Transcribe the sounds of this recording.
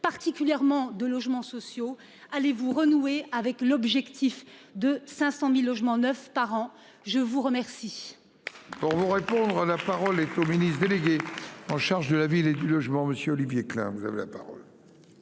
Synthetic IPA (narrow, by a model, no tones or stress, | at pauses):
paʁt̪ikʲyljɛʁmɑ̃d̪əlɔʒmɑ̃sɔsjo | alevuʁənueavɛklɔbʒɛkt̪ʰifd̪əsɛ̃sɑ̃milːɔʒmɑ̃nœfpaʁɑ̃ | ʒəvuʁəmɛʁsi | puʁvuʁepɔ̃d̪ʁəlapaʁɔlɛt̪ominisd̪eleɡʲeɑ̃ʃaʁʒd̪əlaviled̪ylɔʒmɑ̃məsjøɔlivjeklɛ̰̃vuza̰vḛlapa̰ʁɔ̰l